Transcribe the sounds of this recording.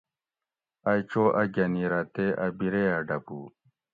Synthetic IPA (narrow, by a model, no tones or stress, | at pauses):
ɐjt͡ɕoːʔɐɡɐniɾat̪eɐbiɾeaɖɐbu